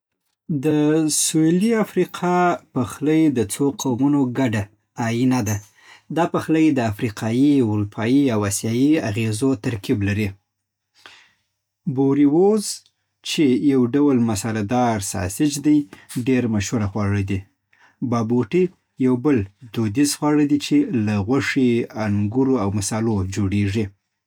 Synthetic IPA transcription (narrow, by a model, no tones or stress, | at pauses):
d̪əsueliafɾiqʰɑpəxləjd̪ət͡soqʰawmunoɡaɖaː | jinad̪a | d̪ɑpaxləjed̪əafɾiqʰɑjiʊɾupʰɑjiawasjɑjiaɣezot̪aɾkiblaɾi | boɾiwoz | t͡ʃejawɖawlmasɑɾad̪ɑɾsɑ̰sɪt͡ʃd̪ajɖeɾmaʃhuɾaxwɑɻəd̪i | bɑboʈi | jawbəld̪̥od̪izxwɑɻəd̪it͡ʃelaɣwaʂiaŋɡuɾoawmasɑlod͡ʒoɽeʐi